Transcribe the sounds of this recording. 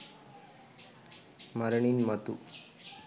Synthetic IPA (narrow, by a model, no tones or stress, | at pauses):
məɾɳinmɐt̪u